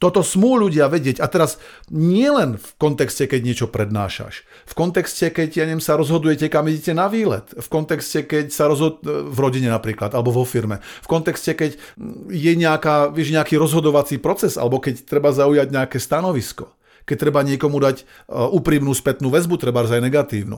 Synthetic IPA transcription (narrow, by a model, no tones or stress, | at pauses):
t̪ɔt̪ɔsmuːʎuɟɪaʋɛɟɪɛɟat̪ɛɾazɲɪɛlɛnfkɔnt̪ɛkscɛkɛɟɲɪɛt͡ʃɔpɾɛd̪na̰ːʃa̰ʃ | fkɔnt̪ɛkscɛkɛcjaɲɛmsaɾɔzɦɔd̪ujɛcɛkamiɟɛcɛnaʋiːlɛ̰t̪fkɔnt̪ɛkscɛkɛcsaɾɔzɦɔvɾɔɟiɲɛnapɾiːklad̪alɛbɔʋɔfiɾmɛfkɔnt̪ɛkscɛkɛcjɛɲɛakaːʋɪɛʒɲɛakiːɾɔzɦɔd̪ɔʋat͡siːpɾɔt͡sɛza̰lɛbɔkɛct̪ɾɛbazaujaɟɲɛakɛst̪anɔʋiskɔ | kɛc̚t̪ɾɛbaɲɪɛkɔmud̪ac | uːpɾimnuːspɛt̪nuːʋɛzbut̪ɾɛbaɾzajnɛɡat̪iːʊnṵ